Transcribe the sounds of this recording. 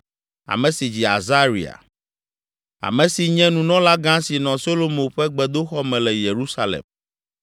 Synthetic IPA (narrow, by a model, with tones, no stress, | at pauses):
a̰˨mɛ̃˨si˨d͡ʑi˨a̰˨za˦ɾi˨a̰˨ | a̰˨mɛ̃˨si˨ɲɛ̃˦nũ˨nɔ̃˦la˦ɡã˦si˨nɔ̃˨so˦lo˦mõ˨ɸɛ˦ɡ͡bɛ˨d̪o˦xɔ˦mɛ̃˨lɛ˨je˨ɾu˦sa˦lḛ˨m